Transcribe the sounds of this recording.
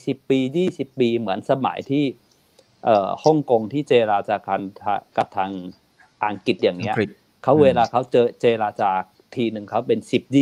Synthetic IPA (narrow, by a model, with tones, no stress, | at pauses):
si˨˩pːiː˧jiː˥˩si˨˩pːiː˧mɯ˩˦ənsa˧ma̰˩˦jt̪ʰiː˥˩ | ʔəː˨˩hɔ˥˩ŋko˧ŋt̪ʰiː˥˩t͡ɕeː˧ɾaː˧t͡ɕaː˨˩kaː˧nt̪ʰaː˧ka˨˩p̚t̪ʰaː˧ŋ | ʔaː˨˩ŋki˨˩t̪̚jaː˨˩ŋni˦˥ɐ | kʰa˦˥wweː˧laː˧kʰa˦˥wt͡ɕɤː˧t͡ɕeː˧ɾaː˧t͡ɕaː˨˩k̚t̪ʰiː˧nɯ˨˩ŋkʰa˦˥wpe˧nsi˨˩p̚jiː˥˩